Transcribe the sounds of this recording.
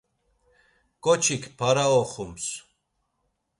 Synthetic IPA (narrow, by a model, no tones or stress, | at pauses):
kʼɔt͡ʃʰikʰpʰaɾaɔχums